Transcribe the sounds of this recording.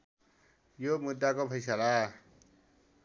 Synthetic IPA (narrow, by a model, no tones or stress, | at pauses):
jomud̪ːakopʰʌjsala